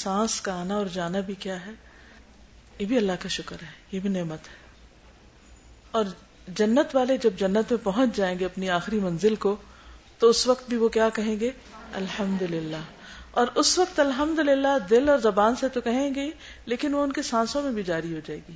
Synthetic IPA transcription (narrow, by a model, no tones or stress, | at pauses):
sãːskaːnaɔːɾd͡ʒaːnabʱikjaːɦɛː | jebʱiɐlːaɦkaʃʊkəɾɦɛːjebʱineːmət̪ɦɛː | ɔːɾ | d͡ʒɐnːət̪ʋaːled͡ʒɐb̚d͡ʒɐnːət̪mẽpɐɦʊ̃t͡ʃd͡ʒaːẽːŋɡeɐpniaːxɪɾimɐ̃nzɪlko | t̪oʊsʋɐkt̪̚bʱiʋokjaːkɐɦẽːɡeː | ɐ̰lhɐmd̪ʊlɪlːaː | ɔːɾʊsʋɐk̚t̪ɐlɦɐmd̪ʊlɪlːad̪ɪlɔːɾzɐbaːnset̪okɐɦẽːɡe | leːkɪnʋoʊnkesãːsõmẽbʱid͡ʒaːɾiɦod͡ʒaːḛːɡiː